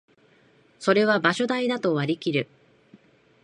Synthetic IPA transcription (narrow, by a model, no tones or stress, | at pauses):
so̞ɾe̞β̞abaɕo̞d̪aid̪at̪o̞βaɾʲikʲiɾɯ̟